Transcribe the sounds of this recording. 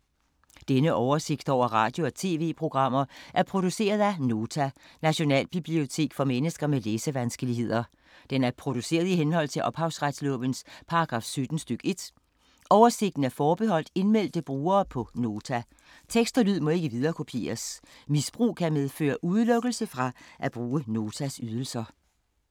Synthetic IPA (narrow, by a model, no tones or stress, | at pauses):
d̥enəʔɒʊɐse̝ɡ̥̚d̥ɒʊ̰ɐʁɑ̰̈ːd̥jo̝ɒt͡sʰe̝̰ːʋe̝̰ːpʰʁo̝ɡ̥ʁɑ̈m̰ɐʔæɐpʰʁo̝d̥use̝̰ːɐðˠæno̝ːt͡sʰænæɕo̝nɛ̰ːlb̥ib̥lio̝t͡sʰe̝̰ːɡ̥fɒ̽menəsɡ̥ɐmeleːsəʋænsɡ̥əliɦe̝ð̰ˠɐ | d̥enæɐpʰʁo̝d̥use̝̰ːɐðˠiɦenɦɒ̽l̰t͡sʰe̝lʔɒ̽b̥hɑ̈ʊsʁad̥slɔ̰ːb̥ənspʰɑ̈ɑɡ̥ʁɑ̰̈ːfsød̥n̩sd̥øɡ̥e̝d̥ | ɒʊɐse̝ɡ̥̚d̥n̩æɐfɒːb̥e̝ɦɒ̽l̰d̥e̝nmel̰d̥əb̥ʁuːɐːpʰɒ̽no̝ːt͡sʰæ | t͡sʰeɡ̥sd̥ɐlyð̞̰ˠmɒ̽e̝ɡ̥əʋið̞ˠɐːkʰo̝pʰe̝̰ːɐs | misb̥ʁṵːkʰæmeðˠfø̰ːɐʔuð̞ˠlɔ̽ɡ̥l̩səfʁɑ̈ʔæb̥ʁuːəno̝ːt͡sʰæsyð̞ˠəl̩sɐ